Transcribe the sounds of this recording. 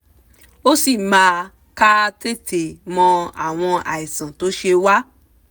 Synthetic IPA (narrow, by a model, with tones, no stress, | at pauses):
o˦si˦˨mãː˨˦ | ka˦te˦˨tʰe˨mɔ̃˧a̰˨w̃ɔ̃˧a̰˨i˨sã˨to˨˦ʃe˧wa˦